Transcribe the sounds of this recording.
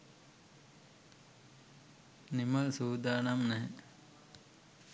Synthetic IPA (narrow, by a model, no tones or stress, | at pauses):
nimɐlsuːd̪aːnamnɛɦɛ